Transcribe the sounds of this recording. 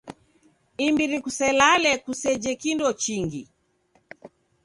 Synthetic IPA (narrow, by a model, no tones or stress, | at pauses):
imbiɾikusɛlalɛkusɛd͡ʒɛkindɔt͡ʃiŋɡi